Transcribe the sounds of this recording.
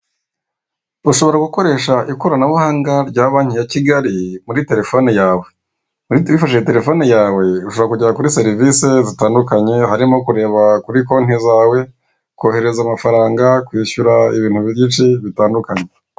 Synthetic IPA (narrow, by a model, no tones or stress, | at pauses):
uʃo̞βo̞ɾaɡuko̞ɾe̞ːʃaʔiko̞ɾanaβuhaːŋɡaɾɟaːβaːɲ̥ijaciɡaɾimuɾite̞ɾe̞fo̞ːnejaːwe̞ | mwifaʃejete̞ɾe̞fo̞ːnijaːwe̞uʃoβoɾakuɟiɾakuɾise̞ɾivisezitaːndukaɲe̞haɾimo̞kuɾe̞ːβakuɾiko̞n̥ezaːwe̞ | ko̞ːhe̞ɾe̞zamafaɾaːŋɡakwiːçuɾaiβiːn̥uβiit͡ʃiβitaːndukaɲe̞